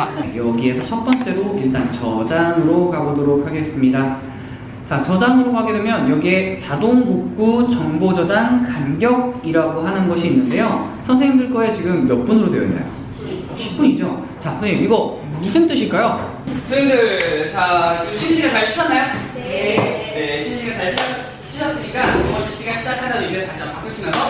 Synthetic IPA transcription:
jʌɡie̞sʰʌt͡ɕʰʌt̚p͈ʌnt͡ɕ͈e̞ɾoiɭt͈ant͡ɕʌd͡ʑaŋɯɾokaɡodoɾokʰhaɡe̞s͈ɯmɲida | t͡ɕat͡ɕʌd͡ʑaŋɯɾokaɡe̞dwe̞mjʌnjʌɡie̞t͡ɕadoŋɡok̚k͈ut͡ɕʌŋbod͡ʑʌd͡ʑaŋkanɡjʌɡ̚iɾaɡoɦanɯnɡʌɕʰiːnːɯnde̞josʰʌnsʰeŋŋdɯɭk͈ʌe̞t͡ɕiɡɯmjʌp͈unɯɾodwe̞jʌ̰ḭnːa̰jo̰ | ɕʰi̥p̚p͈uɲid͡ʑo | t͡ɕakɯniiɡʌ | musʰɯnt͈ɯɕʰiɭk͈ajo | kɯinɡɯt͡ɕat͡ɕiɯɕʰimɕʰiɡat͡ɕaɭɕʰi̥t͡ɕʰʌnajon | neɕʰimd͡ʑiɡat͡ɕaɭɕʰi | ɕʰiɕʰʌs͈ɯɲik͈aʌomʌɕʰiɕʰiɡaɕʰid͡ʑatʰanadoiɡetaɕiapak͈ɯt͡ɕʰinʌno

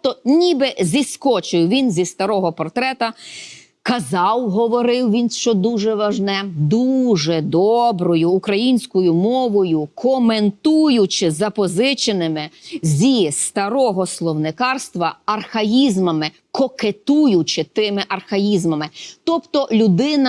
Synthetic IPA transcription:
t̪ɔnʲibɪzʲiskɔt͡ʃɪwʋʲinzʲist̪ɐɾɔɦɔpɔrt̪ɾɛt̪ɐ | kɐzɑwɦɔʋɔɾɪwʋʲinʃt͡ʃɔd̪uʒɛʋɐʒnɛd̪uʒɛd̪ɔbɾɔjʊːkɾɐjinʲsʲkɔjʊmɔʋɔjʊkʰɔment̪ujʊt͡ʃɪzɐpɔzɪt͡ʃenɪmɪzʲist̪ɐɾɔɦɔslˠɔwnɪkɑrst̪ʋɐɐrxɐjizmɐmɪ | kɔket̪ujʊt͡ʃɪt̪ɪmɪʔɐrxɐjizmɐmɪt̪ɔpt̪ɔlʲʊd̪ɪnɐ

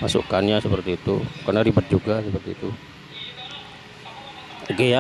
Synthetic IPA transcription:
masṵʔkanɲasəpərt̪iːt̪ukarnaɾibət̪̚d͡ʒuɡasəpərt̪iːt̪u | ɡea

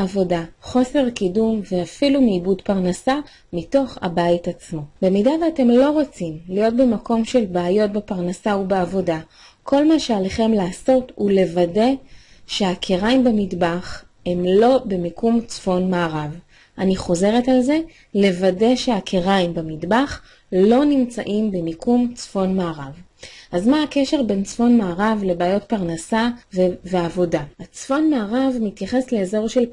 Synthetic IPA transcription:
avo̞daχo̞se̞ʁkidumve̞afilumiːbudpaʁnasa | mito̞χa̰bajitat͡smo̞be̞midaveate̞mlo̞ʁo̞t͡simlijo̞t̚be̞mako̞mʃe̞lbaːjo̞t̚bepaʁnasaubeavo̞da | kʰo̞lmaʃealeχe̞mlaːso̞thule̞vade̞ʃeakʰeʁajmbemidbaχ | hemlo̞be̞mikumt͡sfo̞nmaːʁav | ʔaniχo̞ze̞ʁetalze̞ | le̞vade̞ʃe̞akʰeʁaimbemidbaχ | lo̞nimt͡sa̰ʔimbemikʰumt͡sfo̞nmaːʁavʔazmaakeʃe̞ʁbe̞nt͡sfo̞nmaːʁavle̞baːjo̞t̚paʁnasaveveavo̞daat͡sfo̞nmaːʁavmitjaχesleːzo̞ʁʃe̞l

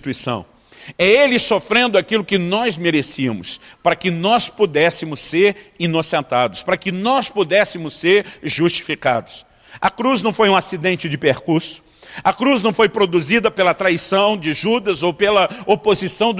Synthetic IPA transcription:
t̪uisɐ̰̃w̃ | ɛelɪsofɾẽnd̪ʊakilʊkɪnɔzmeɾesiɐ̰mʊspaɾɐkɪnɔspud̪ɛsɪmʊsseɾinosẽnt̪ad̪ʊspaɾɐkɪnɔspud̪ɛsɪmʊseɾʒust͡ʃi̥fika̰d̪ʊs | ɐkɾuznɐ̃w̃fojũasid̪ẽnt͡ʃɪd͡ʒɪpeɾkuɾsʊ̥ | ɐkɾuznɐ̃w̃fojpɾod̪uzid̪ɐpelɐt̪ɾaisɐ̃w̃d͡ʒɪʒud̪ɐzowpelɐopozisɐ̃w̃d̪

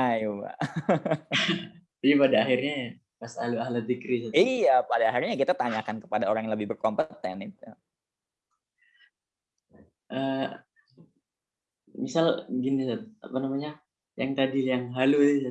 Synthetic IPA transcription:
ajwa̰ | d͡ʒadipadaːxirɲa | pasa̰luahlat̪ikɾisaijapadaaxirɲakit̪at̪aɲakankə̥padaoɾaŋjləbɪhbərkompət̪ɛnit̪u | ʔə | misalɡinisat̪a̰panamaɲa | jaŋt̪adijaŋɦalut

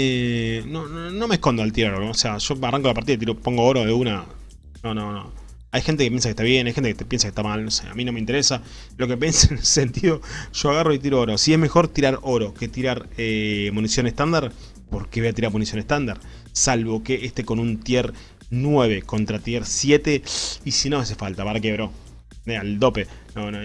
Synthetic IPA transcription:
enonono̞mehko̞nd̪oelt̪jeɾoɾoːse̞aʃo̞araŋkolapaɾt̪iðait̪̬iɾopo̞ŋɡooɾo̞ðeuna | nonono | ajxent̪ekepje̞ns̬akeht̪aβje̞najxent̪ekepjens̬akeht̪amalnosḛa̰mĩno̞meint̪eɾesa | lo̞kepjensenessent̪iðo̞ʒ̥o̞aɣaroit̪iɾooɾo̞sieɦmexo̞ɾt̪iɾaɾo̞ɾo̞ket̪iɾaɾemunisjo̞neht̪and̪aɾ | poɾkeβeat̪iɾaɾmunisjoneht̪and̪aɾ | salβo̞keʔehst̪e̞ko̞nunt̪jeɾ | nweβ̞e̞ko̞nt̪ɾat̪jeɾsje̞t̪e̞isino̞ase̞falt̪apaɾak̬eβɾo | eald̪o̞penono

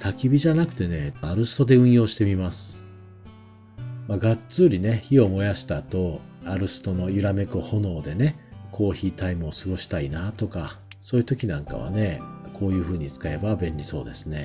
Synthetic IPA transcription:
t̪ʰakʲibʲiʑanakɯ̟̥t̪e̞ne̞aɾɯ̟sɨ̥t̪o̞d̪e̞ɯ̟̃ɰ̃jo̞ːɕi̥t̪e̞mʲimasɨ̥ | maɡat͡sɨːɾʲine̞çio̞mo̞jaɕi̥t̪at̪o̞ | aɾɯ̟sɨ̥t̪o̞no̞jɯɾame̞koho̞no̞ːd̪e̞ne̞kʰo̞ːçiːt̪aimɯ̟osɨɡo̞ɕi̥t̪ainat̪o̞ka | so̞ːjɯ̟t̪o̞kʲinãŋka̰β̞a̰ne̞kʰo̞ːjɯ̟ːɸɯ̟ːɲ̟it͡sɨ̥kae̞babẽ̞ɲʲɾʲiso̞ːd̪e̞sɨne̞

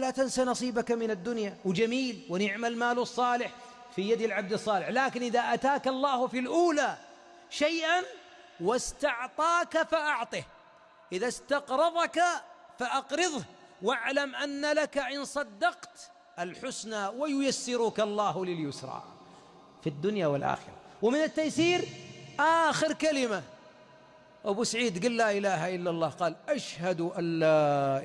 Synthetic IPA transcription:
laːt̪ansanɑsˤiːbakamɪnad̪ːʊnjawɪd͡ʒamiːlwɪnɪʕmalmaːlɑsˤːɑːlɪħ | fijad̪alʕab̚d̪ɑsˤːɑːlɪħlaːkɪnʔɪðaʔat̪aːkɑlˤːɑːhfilʔuːla | ʃajʔan | wɪst̪ɑʕt̪ˤɑːkafaʔɑʕt̪ˤɨh | ʔɪðast̪ɑqɾˤɑðˤɑkafaʔɑqɾɪðˤh | waʕlamʔanːalakaʔɪnsˤɑd̪ːɑqt̪ | ʔalħʊsnawɪjʊjasːɪɾukɑlˤːɑːhlɪljʊsɾˤɑ̰ː | fid̪ːʊnjawɪlʔa̰ːxɪ̰ɾˤɑ̰wmɪnɪt̪ːajθiːɾʔaːxɪɾkalɪma | ʔabusaʕiːd̪ɡiːlːaːʔɪlaːɦaʔɪlːalˤːɑːhqɑːlʔaʃhad̪uʔalːa

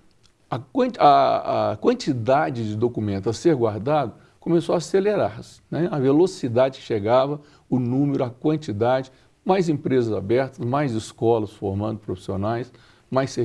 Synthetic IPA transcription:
ɐkɐ̃ɐɐkwɐ̃nt͡ʃid̪ad͡ʒɪd͡ʒɪd̪okumẽnt̪ʊɐseɾɡwaɾd̪ad̪ʊ | kõmesoaːseleɾaɾsɪ̥nɛɐvelosid̪ad͡ʒɪkɪ̥ʃeɡavɐ | ʊnũmeɾʊɐkwɐ̃nt͡ʃid̪ad͡ʒɪ | majzẽpɾezɐza̰bɛɾt̪ɐsmajzɪskɔlɐsfoɾmɐ̃d̪ʊpɾofi̥sionajs | majse

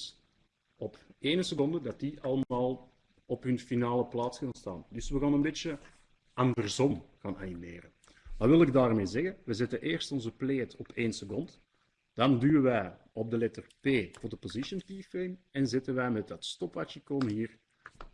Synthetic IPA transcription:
s | ɔpeːnəsəkɔndədɑt̚diʔɑlˠmaːlˠ | ɔpɦɵnfinaːləplaːtskɑːnsta̰ːndɵsʋəɣaːnənbeːt͡ʃjə | ʔɑndərzɔmɣaːna̰nimḛːrən | ʋɑʋɪlˠɪɡ̚daːrmeːzɛɣənʋəzɛtəʔeːrstɔnzəpleːtɔpʰeːnsəkɔnt | d̥ɑndyːəʋɛj | ɔb̚dəlɛtərpeːvʊːrdəpozɪʃəntiːfemɛnzɪtənʋɛjmɛt̚dɑtstɔpʋat͡ʃəkɔmɦiːr

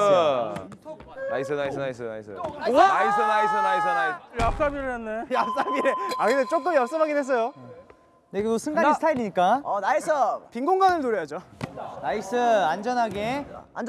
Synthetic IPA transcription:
na̰isʰɯnaisʰɯnaisʰɯna̰isʰɯ̰aisʰɯnais̬ʰɯnais̬ʰɯnajap̚s͈abiɾeanːejap̚s͈abiɾeakɾɯndet͡ɕ͈ok͈ɯmjʌp̚s͈ʌmɦaɡedwes̬͈ʌjo | neɡtosʰɯŋɡaɡisʰɯtʰaiɾiɲik͈aʌnaesʰʌpiŋɡoŋɡanɯɭnuɾjʌjad͡ʑonaisʰɯand͡ʑʌnɦaɡe̞a̰nd͡ʑ

